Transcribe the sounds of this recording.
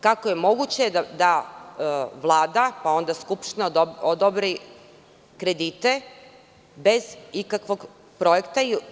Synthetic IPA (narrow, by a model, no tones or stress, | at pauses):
kakoje̞mo̞ɡut͡ɕead̪a | ʋlˠaːd̪apao̞nd̪askupʃt̪inaod̪obɾi | kɾe̞d̪it̪e̞ | be̞zikakʋo̞ɡ | pɾo̞je̞kt̪ai